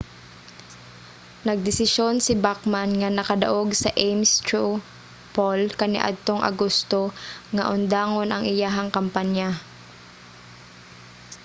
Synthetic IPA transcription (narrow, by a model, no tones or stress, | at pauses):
nɐɡ̚d̪ɪsɪʃjonsɪbakmanŋanɐkɐd̪ɐʔoɡsɐʔejmst̪u | polkɐnɪ̰ʔa̰d̪̚t̪oŋʔɐ̰ɡost̪oŋaʔʊnd̪aːŋonʔɐŋʔɪjaɦɐŋkɐmpanja